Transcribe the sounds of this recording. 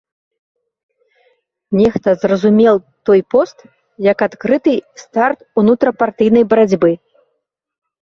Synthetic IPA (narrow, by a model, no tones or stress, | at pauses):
nʲɛxt̪ɐzrɐzumʲɛlˠt̪ɔjpɔst̪ | jɐkat̪kɾɨt̪ɨst̪art̪unut̪ɾɐpart̪ɨjnɐjbɐɾad͡zʲbɨ